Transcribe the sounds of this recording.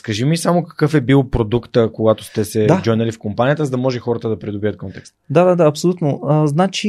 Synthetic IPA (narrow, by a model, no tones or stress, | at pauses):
skɐʒimisamokɐ̥kɤfɛbilˠpɾod̪ukt̪əkoɡat̪o̥st̪ɛsɛd̪ad͡ʒɔjnəlifkompanijət̪əzɐd̪ɐmɔʒɛxɔɾət̪əd̪ɐpɾid̪obivət̪̚kɔnt̪ɛkst̪d̪ad̪ad̪aɐpsolʲut̪noəznat͡ʃi